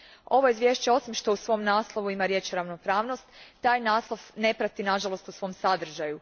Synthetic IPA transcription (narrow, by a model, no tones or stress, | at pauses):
o̞ʋoizʋjeʃt͡ɕeo̞simʃt̪o̞usʋo̞mnaːslˠoʋuimaɾje̞ːt͡ʃoɾaʋno̞pɾaːʋno̞st̪ːaːjnaːslˠoʋne̞pɾat̪inaʒalˠo̞st̪usʋo̞msad̪r̩ʒaju